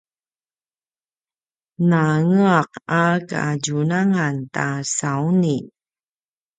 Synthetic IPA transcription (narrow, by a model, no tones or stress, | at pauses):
naŋəaqaka̰aɟunaŋantasauni